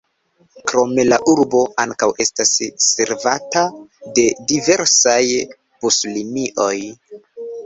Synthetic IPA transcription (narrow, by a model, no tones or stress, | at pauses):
kɾo̞me̞laʔuɾbo̞aŋkawʔe̞stasːe̞ɾvatade̞dive̞ɾsaj | puslimiʔo̞j